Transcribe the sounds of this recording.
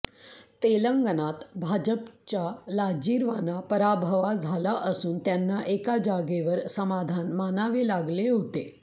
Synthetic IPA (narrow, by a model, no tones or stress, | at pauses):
t̪eləŋɡənat̪bʱad͡ʑəpt͡ɕalad͡ʑiːɾʋanapəɾabʱəʋad͡zʱalaʔəsuːnt̪janːaʔekad͡ʑaɡeʋəɾsəmad̪ʱanmanaʋelaɡleɦot̪e